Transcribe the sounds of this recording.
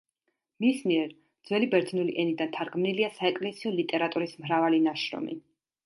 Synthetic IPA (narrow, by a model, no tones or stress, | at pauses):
mismiɛɾ | d̪z̥wɛlibɛɾt̪ʰnulḭʔɛnid̪ant̪ʰaɾɡmniliasaɛkʼlɛsiɔlit̪ʼɛɾat̪ʼuɾismɾavalinaʃɾɔ̰mḭ